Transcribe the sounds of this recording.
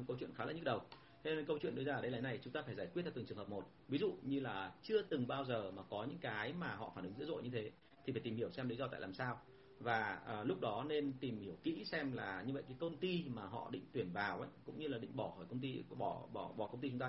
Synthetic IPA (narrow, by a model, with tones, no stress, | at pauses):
kə˧wt͡ɕwi˧˨nxaː˨˦la̰˧˥ɲ̚˦˥ɗə˨˩w | t̪ʰe˧e˧nkə˧wt͡ɕwḭ˧˨ənɗɨ˧˦zaː˧˨˩ɗə˨˦jlaː˧jna˨˩jt͡ɕʊ˨˦ŋ͡mt̪aː˧faː˧˩jzaː˧˩jkwt̚t͡ɕa˧˩ɨ˨˩ŋt͡ɕɨ˨˩hə˨˩p̚mo˨˩t̚vi˨˦zṵ˧˨ɲɨ˧laː˨˩t͡ɕɨ˧ət̪ɨ˨˩ŋɓaː˧wzəː˨˩maː˨˩kɔ˨˦ɲɨ̰˧˥ŋkaː˨˦jmaː˨˩ɦɔ̰˧˨faː˧˩nʔɨ˨˦ŋzɨ̰˧˥zo̰˧˨ɲɨ˧t̪ʰe˨˦ | t̪ʰi˨˩faː˩t̪i˨˩hi˧˩əwsɛ˧mli˨˦zɔ˧t̪a̰ː˧˨laː˨˩msaː˧w | vaː˨˩əː˨˩lʊ˦˥k͡p̚ɗɔ˨˦ne˧nt̪i˨˩mhi˧˩əwkḭ˧˥sɛ˧mlaː˨˩ɲɨ˧və̰˧˨jkaː˨˦jkə˧wŋ͡mt̪i˧maː˨˩ɦɔ̰˧˨ɗḭ˧˨ŋ̟t̪wi˧˩ənvaː˨˩wʔə̰˧˦jkʊ̰˧˥ŋ͡mɲɨ˧laː˨˩ɗḭ˧˨ŋ̟ɓɔ˧˩xɔː˧˩jkə˧wŋ͡mt̪i˧ɓɔ˧˩ɓɔ˧˩ɓɔ˧˩kə˧wŋ͡mt̪i˧t͡ɕʊ˨˦ŋ͡mt̪aː˧